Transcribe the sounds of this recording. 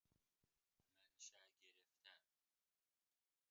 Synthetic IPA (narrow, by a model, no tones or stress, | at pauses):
mænʃæɟeɾeft̪ʰæn